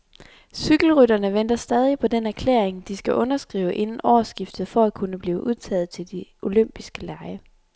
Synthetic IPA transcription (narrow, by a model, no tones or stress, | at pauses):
syɡ̥l̩ʁyd̥ɐnəʋen̰d̥ɐsd̥ɛð̞ˠipʰɒ̽d̥enæɐkʰlḛːɐeŋd̥isɡ̥æʔɔ̽nɐsɡ̥ʁḭːʊəʔe̝nn̩ʔɒːsɡ̥ifd̥ð̩ˠfɒ̽ækʰunəb̥liːʊʔuðˠt͡sʰɛ̰ːð̞̩ˠt͡sʰe̝ld̥iʔo̝løm̰b̥isɡ̥əlɑ̈ɪə